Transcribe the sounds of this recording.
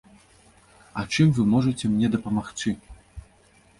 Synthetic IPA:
ɐt͡ʂɨmvɨmɔʐɨt͡sʲɛmnʲɛd̪ɐpɐmaxt͡sɨ

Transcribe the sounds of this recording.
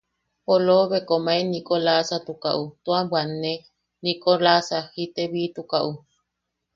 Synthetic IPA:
poloβekomaenikʼolasat̪ukaʔut̪uabwanːe | nikʼolasahit̪eβit̪ukaʔu

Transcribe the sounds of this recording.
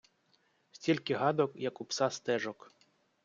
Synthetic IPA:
sʲtʲilʲkɪɦɑd̪ɔkjɐkupsɑst̪ɛʒɔk

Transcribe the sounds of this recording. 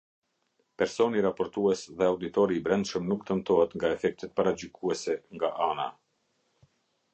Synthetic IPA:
pɛɾsɔniɾapɔɾt̪uɛsðɛawd̪it̪ɔɾiːbɾɛnd̪ʃəmnukt̪əmt̪ɔɦɛt̪ŋɡaɛfɛk̚t̪ɛt̪̚paɾad͡ʑykuɛsɛŋɡaʔana̰

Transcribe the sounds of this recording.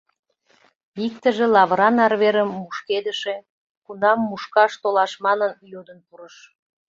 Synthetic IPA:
ik̚t̪əʒĕlɑβɾɑnɑrβeɾəmːuʃked̪əʃe̽ | kunɑmːuʃkɑʃt̪olɑʃmɑnənjod̪ənpuɾəʃ

